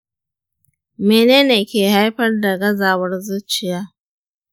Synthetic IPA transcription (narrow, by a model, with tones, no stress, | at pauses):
meː˨neː˦neː˨kʲeː˨ha˦jɸɐ˦rda˨ɡɐ˦zaː˨wɐ˦rzʊ˦t͡ʃɪ˨jaː˦